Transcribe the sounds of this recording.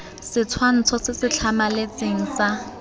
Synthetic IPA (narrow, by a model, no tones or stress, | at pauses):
sɪt͡sʰwan̩t͡sʰɔsɪsɪt͡ɬʰamalet͡seŋ̩sa